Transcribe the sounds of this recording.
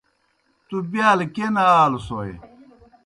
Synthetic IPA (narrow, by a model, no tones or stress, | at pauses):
t̪ubjaːlkenaaːlusoḛ